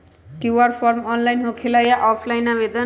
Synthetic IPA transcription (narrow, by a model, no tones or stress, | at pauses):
kjuwʌrpʰʌrmʌnlajnɦokʰelajaʔɔpʰlajnabed̪ʌ